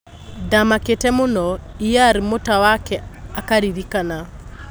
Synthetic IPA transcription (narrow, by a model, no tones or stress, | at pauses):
damaketɛmonɔ | ijaɾimotawakɛakaɾiðikana